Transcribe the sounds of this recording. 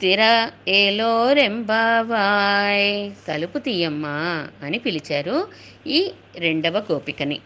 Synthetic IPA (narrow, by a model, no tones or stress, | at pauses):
t̪iɾɐeːloːɾembʱaːʋaːjt̪ɐluput̪ijɐmːaːnipilit͡ʃaːɾu | iː | ɾe̞ɳɖɐʋɐkoːpikɐni